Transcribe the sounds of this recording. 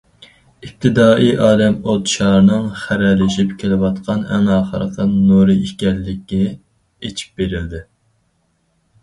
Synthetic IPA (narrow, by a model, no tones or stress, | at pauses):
ip̚t̪ʰɨd̪ɑːʔijʔɑːlɛmot̪ʃɑːɾnɨŋχæɾɛlɪʃipkʲʰelɪwɑt̪qʰɑnɛ̰ŋɑːχə̰ɾəqʰənnoɾɨikʲɛllːɪkʲːɛ | et͡ʃʰi̥p̚beɾɪld̪ɪ